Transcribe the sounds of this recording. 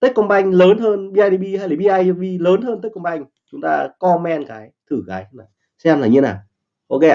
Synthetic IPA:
t̪ə˦˥k̚kɔ˧nɓa˧jŋ̟ləː˨˦nɦəː˧nɓi˧ʔaː˧jɗi˧ɓi˧haː˧jla˨˩ɓi˧ʔaː˧jɓi˧ləː˨˦nɦəː˧nt̪ə˦˥kə˧nɓa˧jŋ̟ | t͡ɕʊ˨˦ŋ͡mt̪a̰ː˧kɔ˧mɛ˧nkaː˨˦jt̪ʰɨ˧˩ɣaː˨˦jhnaː˨˩ | sɛ˧mlaː˨˩ɲɨ˧naː˨˩ | ʔo˧ke˧

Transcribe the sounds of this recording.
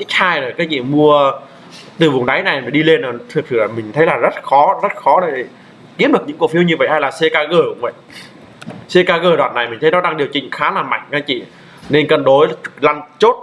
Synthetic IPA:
ʔi˦˥k̚haː˧jɗəː˨˩kaː˨˦jt͡ɕḭ˧˨mu˧ə | t̪ɨ˨˩vʊ˨˩ŋ͡mɗa˨˦jna˨˩jə˨˩ɗi˧le˧nə˨˩t̪ʰɨ˨˩k̚sɨ̰˧˩laː˨˩mï˨˩ŋ̟t̪ʰə˨˦jlaː˨˩zə˦˥t̚xɔ˨˦zə˦˥t̚xɔ˨˦ɗə˨˦je˨˩ | ki˦˥ɗɨ˨˩əkɲɨ̰˧˥ŋko˧˩fi˨˧əwɲɨ˧və̰˧˨jha˧jlaː˨˩se˧kaː˧ɣəː˧˩kʊ̰˧˥ŋ͡mvə̰˧˨j | se˧kaː˧ɣəː˧˩ɗwa̰ː˧˨nːa˨˩jmï̟˨˩t̪ʰə˨˦jnɔ˨˦ɗa˧ŋɗi˨˩əwt͡ɕï˨˩ŋ̟xaː˨˦laː˨˩ma̰˧˨jŋ̟ʔaː˨˦t͡ɕḭ˧˨ | ne˧nkə˨˩nɗo˨˦jla˧nt͡ɕo˦˥t̚

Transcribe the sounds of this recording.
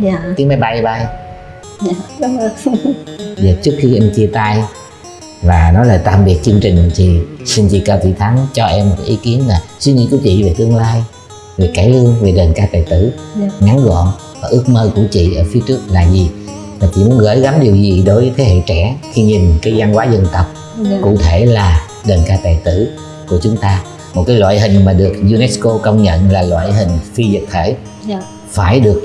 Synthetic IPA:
i˨˦əŋma˨˦jɓa˧jɓa˧j | zaː˨˩t͡ɕɨ˦˥ək̚xi˧ʔɛ˧mt͡ɕi˧ət̪aː˧j | vaː˨˩nɔ˨˦laː˨˩t̪a̰ː˧˨˩mɓi˨˩ək̚t͡ɕɨ˧əŋt͡ɕï˨˩ŋ̟t̪ʰi˨˩si˧nt͡ɕḭ˧˨kəː˧˩t̪ʰḭ˧˨t̪ʰa˨˦ŋt͡ɕɔ˧ʔɛ˧mːo˨˩kʔi˨˦ki˨˦ənlaː˨˩swi˧ŋḭ˧ku˧˩ət͡ɕḭ˧˨ve˨˩t̪ɨ˧əŋlaː˧j | ve˨˩ka˧˩˦lɨ˧əŋve˨˩ɗe˨˩nkaː˧t̪a̰ː˧˨jt̪ɨ˧˩ŋa˨˦nɣɔ̰˧˨n | vaː˨˩ʔɨ˦˥ək̚məː˧ku˧˩ət͡ɕḭ˧˨ʔəː˧˩fi˨˦ət͡ɕɨ˦˥ək̚laː˨˩zi˨˩ | maː˨˩t͡ɕḭ˧˨mu˨˦ənɣəː˧˦jɣa˨˦mɗi˨˩əwzi˨˩ɗo˨˦jvəː˨˦jt̪ʰe˨˦hḛ˧˨t͡ɕɛ˧˩xi˧ɲi˨˩nkaː˨˦jza˧nkwaː˨˦zə˧nt̪ə˨˩wk͡p̚ | kṵ˧˨t̪ʰe˧˩laː˨˩ | ɗəː˨˩nkaː˧t̪aː˨˩jt̪ɨ˧˩˨ | ku˧˩ət͡ɕʊ˨˦ŋ͡mt̪aː˧ | mo˨˩t̚kaː˨˦jlwa̰ː˧˨jɦï˨˩ŋ̟maː˨˩ɗɨ˨˩ək̚zu˧nɛ˦˥sko˧kə˧wŋ͡mɲə̰˧˨nlaː˨˩lwa̰ː˧˨jɦï˨˩ŋ̟fi˧zt̚t̪ʰe˧˩˦ | faː˧˩jɗɨ˨˩ək̚

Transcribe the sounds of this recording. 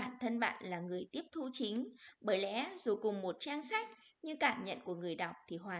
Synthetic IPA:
aː˧˩nt̪ʰə˧nɓa̰ː˧˨nlaː˨˩ŋɨ˨˩əjt̪i˦˥əp̚t̪ʰu˧t͡ɕi˨˦ŋ̟ɓəː˧˩jlɛ̰˧˦zu˨˩kʊ˨˩ŋ͡mmo˨˩t̚t͡ɕaː˧ŋsa˦˥jk̟̚ɲɨ˧kaː˧˩mɲə̰˧˨nku˧˩əŋɨ˨˩əjɗa˨˩wk͡p̚t̪ʰi˨˩ɦwaː˨˩

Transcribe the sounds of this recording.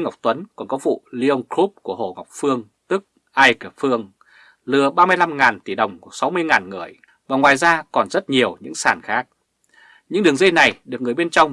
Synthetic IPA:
ŋa˨˩wk͡p̚t̪wə˨˦nkɔ˨˩nkɔ˨˦vṵ˧˨li˧o˧wŋ͡mkɾu˦˥p̚ku˧˩əho̰˧˩ŋɔ˨˩wk͡p̚fɨ˧əŋ | t̪ɨ˦˥k̚ | ʔaː˧jkːp̚fɨ˧əŋ | lɨ˨˩əɓaː˧mɨ˧əjla˧mŋaː˨˩nt̪i˧˩ɗə˨˩wŋ͡mku˧˩əsa˨˦wmɨ˧əjŋaː˨˩nŋɨ̰˨˩əj | vaː˨˩ŋwaː˨˩jzaː˧kɔ˨˩nzə˦˥t̚ɲi˨˩əwɲɨ̰˧˥ŋsaː˧˩nxaː˦˥k̚ | ɲɨ̰˧˥ŋɗɨ˨˩əŋzi˧jna˨˩jɗɨ˨˩ək̚ŋɨ˨˩əjɓe˧nt͡ɕɔ˧wŋ͡m

